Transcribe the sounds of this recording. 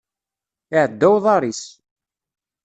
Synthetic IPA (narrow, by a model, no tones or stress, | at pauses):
ɪʕəd̪ːæwðˤɑɾˤis